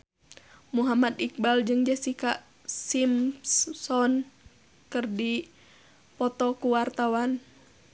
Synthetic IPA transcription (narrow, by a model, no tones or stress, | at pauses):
muɦamat̪̚ik̚bald͡ʒɨŋd͡ʒasika | simssɔn | kɨrdi | pɔt̪ɔkuwart̪awan